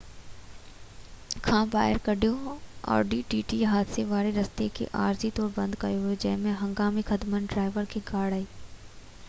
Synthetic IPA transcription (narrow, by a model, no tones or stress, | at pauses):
kʰãːba̰ːɦɪəɾkɐɖʱijoɔ̰ːɾɖiːʈiːʈiɦaːd̪seʋaːɾeɾɐst̪ekʰḛʔa̰ːɾzit̪ɔːɾbɐ̃nd̪kɐjoɦod͡ʒɐɦmẽɦɐ̃ŋɡaːmixɐd̪mənɖɾaːɪʋəɾkʰiɡaːɽaːiː